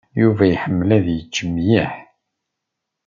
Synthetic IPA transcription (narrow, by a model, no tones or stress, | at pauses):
juvæjħəmːlæðjət͡ʃːəmːjiħ